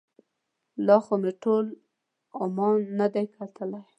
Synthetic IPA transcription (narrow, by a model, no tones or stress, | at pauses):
lɑxomɪʈol | ʊmɑnːad̪ajkʰat̪ʰəlaj